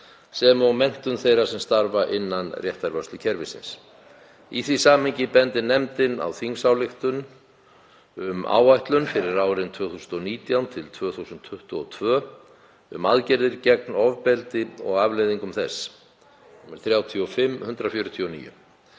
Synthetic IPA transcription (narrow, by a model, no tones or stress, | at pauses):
sɛmamːɛn̥t̪ʏnθejɾasɛmst̪aɾvaʔɪnːanrjɛht̪aɾvœst̪lʏcʰɛɾvɪ̰sɪ̰ns | iθvisaːmɪɲcɪpɛnt̪ɪnɛmt̪ɪna̰wθiŋsawlɪxt̪ʏn | ʏma̰ːwajht̪lʏnfɪɾɪɾaːwɾɪnt̪ʰvœːθuːsʏnɔniːt̪jawnt̪ʰɪlt̪ʰv̥œːθusʏnt̪ʰːʏht̪ʏɔt̪ʰvœː | ʏ̰maðcɛɾðɪɾcɛknɔvpɛlt̪ɪɔɣavlejðiŋkʏmθɛs | mɛɾ̥θɾjaːwt̪ʰiɔfɪmːhʏnt̪ɾafjœːɾʏt̪ʰiɔnḭːjʏ̰